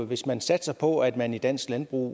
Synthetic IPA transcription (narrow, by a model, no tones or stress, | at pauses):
ʋe̝smænsæd̥sɑ̈ɪpʰɒ̽æd̥mænid̥æn̰sɡ̥lænb̥ʁṵː